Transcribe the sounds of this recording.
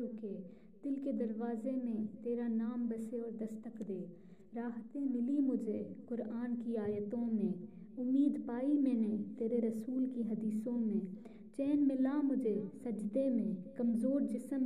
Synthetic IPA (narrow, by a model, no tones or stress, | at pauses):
uke | d̪̥ɪlked̪ɐɾʋaːzemẽt̪eːɾanaːmbɐseɔːɾd̪ɐst̪əkd̪eː | ɾaːɦt̪ẽmɪlimʊd͡ʒʱeqʊɾaːnkiaːjət̪õmẽːʊmiːd̪paːimẽːnẽt̪eːɾeɾɐsuːlkiɦɐd̪iːsõmẽː | t͡ʃɛːnmɪlamʊd͡ʒʱesɐd͡ʒd̪emẽkɐmzoːɾd͡ʒɪsəm